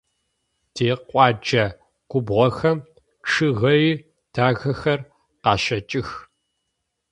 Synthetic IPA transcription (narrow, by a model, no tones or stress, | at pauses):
tʰeːqʷʼɑːd͡ʒɐ | ɡ̥ʷʊbʁɐxɐm | ʈ͡ʂʰɨɣɐjiː | tʰaːɣɐxɐr | qɑːʃɐt͡ʃʼɪx